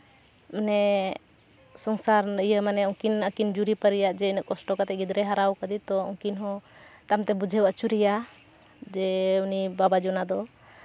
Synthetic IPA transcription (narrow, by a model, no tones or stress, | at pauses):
mnɛ | sɔŋsaɾəjəmanɛɔŋkinəkind͡ʒuɾipəɾijaʔd͡ʒɛinəʔkɔsʈɔkat̪ɛɡid̪ɾɛɦaɾawkəd̪it̪ɔɔ̰ŋkinɦɔ̃t̪amt̪ɛbud͡ʒʱɛwət͡ʃuɾija | d͡ʒɛunibabad͡ʒɔnad̪ɔ